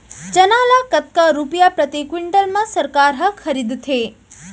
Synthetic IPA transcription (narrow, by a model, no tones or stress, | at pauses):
d͡ʒənalakət̪̚kaɾupjapɾət̪ikwiɳɖəlmãsəɾkaɾɦəkʰəɾid̪t̪ʰe